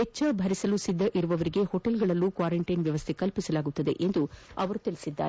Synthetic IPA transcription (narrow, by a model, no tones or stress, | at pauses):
et͡ʃːɐbʱɐɾisɐlusid̪ːɐʔiɾuʋɐʋɐɾiɡe̞hoʈelɡɐɭɐlːukʋaːɾeɳʈɐjnʋjɐʋɐst̪ʰekɐlpisɐlaːɡut̪ːɐd̪e̞ʔe̞nd̪uɐʋɐɾut̪ilisid̪ːa̰ːɾe